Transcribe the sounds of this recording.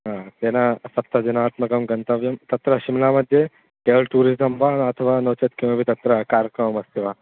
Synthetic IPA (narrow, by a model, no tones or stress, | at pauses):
ɦãt̪enasɐpt̪ːɐd͡ʒinaːt̪mɐɡɐmɡɐnt̪ɐʋjɐmt̪ɐt̪ɾɐɕimlamɐd̪ʱːje | elʈuːɾizɐmʋanɐt̪ʰəʋanɐt͡ʃɐt̪kĩw̃ʋɐbʱit̪ɐt̪ɾɐkaːɾkɾɐmmɐst̪iʋa